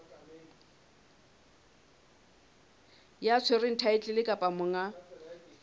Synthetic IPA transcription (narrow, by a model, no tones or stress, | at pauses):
jat͡sʰerɪn̩tʰaɪt͡ɬʼɪlɪkʼapʼamʊŋa